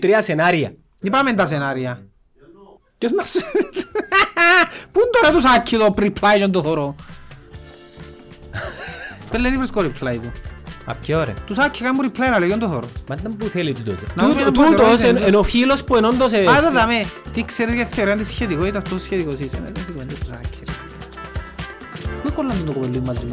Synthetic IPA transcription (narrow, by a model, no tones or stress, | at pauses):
t̪ɾiɐsenaɾiɐ̰ | ipament̪ɐsenaɾiɐ | cesmɐs | pund̪oɾɐt̪usakʰːiðopɾipʰlajʃond̪oθoɾo | pelːenifɾiskoɾipʰlait̪uɐ̰pkeoɾḛt̪usakʰːikambuɾipʰlɐjilɐlejond̪oθoɾomɐnd̪ɐmbuθelit̪ut̪o̰snɐðumet̪uoseenofilospuenond̪os̬eat̪ɐðɐmet̪ikseɾet̪jaθːeoɾɐnd̪isçet̪ikoit̪ɐst̪osçet̪ikosisḛnḛkɐsikmend̪et̪usa̰kʰːiɾi | puekolːɐnd̪ond̪okopelːuimːɐzimɐ